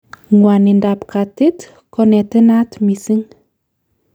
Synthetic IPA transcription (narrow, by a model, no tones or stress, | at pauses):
ŋwanindapkatit | kɔnetenatmisiŋ